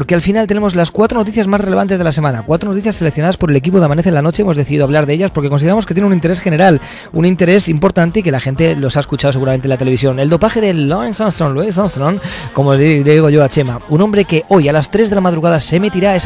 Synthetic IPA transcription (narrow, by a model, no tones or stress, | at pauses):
poɾke̞alfinalt̪ene̞mo̞zlaskwat̪ɾo̞no̞t̪iθjazmasrele̞βant̪e̞zðelas̬e̞mãnakwat̪ɾono̞t̪iθjasːelekθjonaðaspo̞ɾe̞le̞kipoðamaneθenlano̞t͡ʃeemo̞zeθiðiðo̞aβlaɾðe̞ʎaspoɾkeko̞nsiðamoket̪jenunint̪eɾesxe̞ne̞ɾal | unĩnt̪e̞ɾe̞simpo̞ɾt̪ant̪e̞ike̞laxẽ̞nt̪e̞lo̞saeskut͡ʃaðoe̞ɣuɾament̪enlat̪ele̞βis̬jo̞ne̞ld̪o̞paxe̞ðeloensanst̪ɾõnloensanst̪ɾonko̞moɾeɣoʝo̞at͡ʃe̞maunombɾe̞ke̞ʔo̞jalast̪ɾe̞zðelamaðɾuɣaðase̞met̪iɾaes